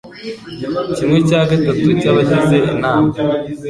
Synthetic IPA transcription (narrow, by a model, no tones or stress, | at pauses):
cimŋe̞caːɡatatucaβaçize̞ʔinaːma